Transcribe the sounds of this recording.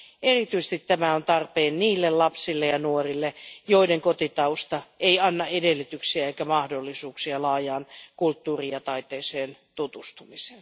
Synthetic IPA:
ʔerit̪yisest̪it̪tæmæont̪ɑrpeːnniːlːellɑpsilːejɑnuorilːejoideŋkot̪it̪ɑust̪ɑeiɑnːɑedelːyt̪yksiæeikæmɑhdolːisuːksiɑlɑːjɑːnkult̪ːuːriɑt̪ɑit̪ˑeːseːnt̪ut̪ust̪umisen

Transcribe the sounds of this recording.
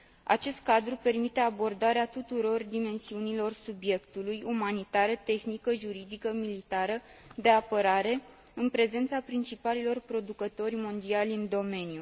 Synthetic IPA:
a̰t͡ʃe̞st̪̚kad̪ɾupe̞rmit̪e̞abo̞rd̪aɾeat̪ut̪uɾo̞rd̪ime̞nsiunilo̞rsubje̞kt̪ulujumanit̪aɾət̪e̞xnikəʒuɾid̪ikəmilit̪aɾəd̪e̞apəɾaɾe̞ | ɨnpɾe̞ze̞nt̪sapɾint͡ʃipalilo̞rpɾo̞d̪ukət̪o̞rʲmo̞nd̪ialʲɨnd̪o̞me̞nju

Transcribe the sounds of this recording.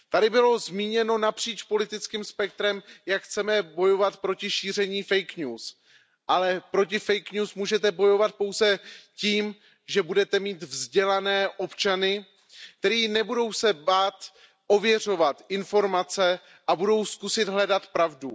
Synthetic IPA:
t̪adɪbɪlo̞zmiːɲɛno̞napr̝̥iːt͡ʃpo̞lɪt̪ɪt͡skiːmspɛk̚t̪ɾɛmjakxt͡sɛmɛbo̞jo̞vat̪pɾo̞cɪʃiːr̝ɛɲiːfɛjkɲuːs | ʔalɛpɾo̞cɪfɛjkɲuːsmuːʒɛt̪ɛbo̞jo̞vat̪̚po̞wzɛciːm | ʒɛbudɛt̪ɛmiːt̪vzɟɛlanɛːʔo̞pt͡ʃanɪ | k̚t̪ɛɾiːnɛbudo̞wsɛbaːt̪ | ʔo̞vjɛr̝o̞vat̪ɪnfo̞ɾmat͡sɛ | ʔabudo̞wskusɪd̪ɦlɛdat̪pɾavdu

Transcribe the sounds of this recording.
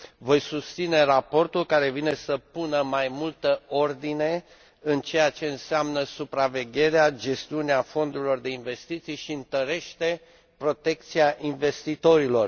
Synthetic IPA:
vo̞jsust̪sine̞rapo̞rt̪ulkaɾe̞vine̞səpunəmajmult̪əo̞rd̪ine̞ | ɨnt͡ʃe̞jat͡ʃe̞ɨnseamnəsupɾave̞ɡʲe̞ɾead͡ʒe̞st̪iuneafo̞nd̪uɾilo̞rd̪e̞inve̞st̪it̪sijʃiɨnt̪əɾe̞ʃt̪e̞ | pɾo̞t̪e̞k̚t̪siaʔinve̞st̪it̪o̞ɾilo̞r

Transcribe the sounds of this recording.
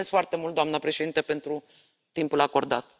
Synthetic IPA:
esfoart̪e̞mult̪̚d̪oamnəpɾe̞ʃe̞d̪int̪əpe̞nt̪ɾu | t̪impulako̞rd̪a̰t̪

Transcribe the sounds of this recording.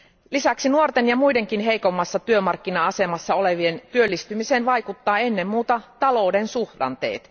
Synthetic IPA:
lisæksinuort̪enjɑmujde̞ŋkinɦejko̞mːɑsːɑt̪yømɑrkːinɑɑse̞mɑsːɑo̞le̞ʋient̪yølːist̪ymiseːnʋɑjkut̪ːɑːe̞nːe̞mːuːt̪ɑt̪ɑlo̞ude̞nsuhdɑ̰nt̪e̞̰ːt̪

